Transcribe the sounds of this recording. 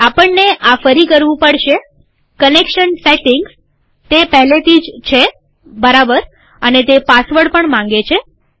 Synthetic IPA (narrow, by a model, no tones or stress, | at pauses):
apəɳneʔafəɾikəɾʋũpəɽʃe | kənekʃənseʈɪŋɡs | t̪epəɦlet̪ʰid͡ʒt͡ʃʰe | bəɾabəɾ | ənet̪epasʋəɽpəɳmãŋ̆ɡet͡ʃʰe